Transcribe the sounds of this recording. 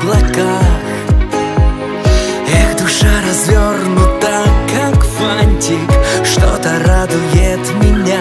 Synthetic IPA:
blˠɐkax | ɛxd̪ʊʂaɾɐzvʲornʊt̪ɐkːakfanʲtʲɪkʂt̪ot̪əɾad̪ʊjɪt̪mʲɪnʲa

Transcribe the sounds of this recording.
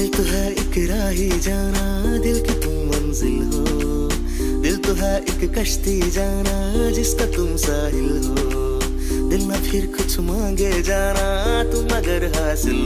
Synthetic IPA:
lt̪uɦa | kɾaːɦid͡ʒaːna | d̪ilkit̪umːɐnzɪlɦoː | d̪ilt̪uɦaʔɪkkɐʃt̪i | d͡ʒaːna | d͡ʒɪskat̪umsaːɦɪlɦo | d̪ilmapʰiɾkʰʊt͡ʃʰumaːɡed͡ʒaːna | t̪ũmɐɡɐɾɦaːsil

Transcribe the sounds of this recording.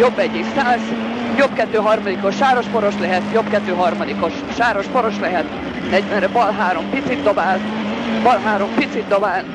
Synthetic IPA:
jo̞bːɛɟːiksaːs | jobkɛt̪ːøːɦɒrmɒd̪iko̞ʃːaːɾo̞ʃfo̞ɾo̞ʃlɛɦɛt̪jo̞bkɛt̪ːøːɦɒrmɒd̪iko̞ʃ | ʃaːɾo̞ʃfoɾo̞ʃlɛɦɛt̪ | nɛɟʋɛnrɛbɒlɦaːɾo̞mpit̪sid̪ːo̞baːl | bɒlɦaːɾo̞mpit̪sid̪d̪obaːl

